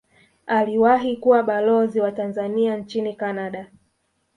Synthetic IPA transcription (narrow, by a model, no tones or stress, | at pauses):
aliwaɦikuwaɓalɔziwatanzaniant͡ʃinikanaɗa